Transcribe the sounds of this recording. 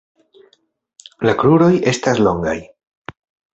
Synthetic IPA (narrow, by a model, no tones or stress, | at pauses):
lakɾuɾo̞je̞staslo̞ŋɡa̰j